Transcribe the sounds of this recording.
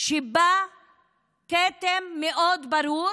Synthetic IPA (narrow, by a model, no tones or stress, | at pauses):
ʃiba | ket̪emːeʔod̪baɾu